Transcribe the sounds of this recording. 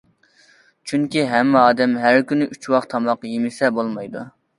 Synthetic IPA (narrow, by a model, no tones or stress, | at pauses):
t͡ʃʰyŋkʲiɦɛmːɑːd̪ɛmɦæɾkʲynɪʔyt͡ʃwɑqt̪ʰɑmɑqjemɪsɛbolˠmɑjd̪u